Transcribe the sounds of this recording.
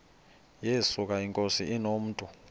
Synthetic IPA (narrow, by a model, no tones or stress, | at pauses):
jesuk̬ʼaiŋkʼosiinom̩ːtʼu